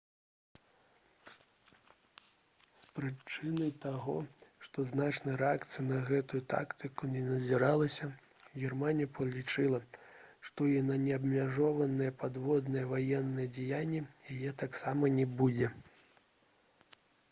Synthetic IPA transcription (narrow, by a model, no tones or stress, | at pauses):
spɾɨt͡ʂɨnɐjt̪aɣɔ̰ʂt̪ɔznat͡ʂnɐjɾɛakt̪sɨjɐnɐɣɛt̪ujut̪a̰kt̪ɨkunʲɛnɐzʲiɾalˠɐsʲɐ | ɣʲɛrmanʲijɐpɐlʲit͡ʂɨlˠɐʂt̪ɔinɐnʲɛɐbmʲaʐɔvɐnɨjɛpad̪vɔd̪nɨjɛvajɛnːɨjɛd͡zʲɛjanʲːɛjajɛt̪aksamɐnʲɛbud͡zʲɛ